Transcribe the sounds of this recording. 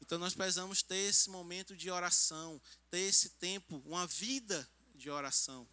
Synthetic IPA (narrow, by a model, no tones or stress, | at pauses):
ẽnt̪ɐ̃w̃nɔspɾesizɐ̃mʊst̪eɾesɪmomẽnt̪ʊd͡ʒɪɔɾasɐ̃w̃t̪eɾesɪt̪ẽpʊũmɐvid̪ɐ | d͡ʒɪɔɾasɐ̃w̃